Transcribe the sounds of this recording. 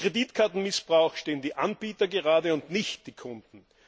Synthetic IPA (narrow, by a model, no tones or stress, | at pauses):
ʁ̥ediːtkʰaːtn̩mɪsb̥ʁaʊxʃteːəndiːʔanb̥iːtɐɡəʁaːdəʊntnɪçtd̥iːkʰʊnd̥n̩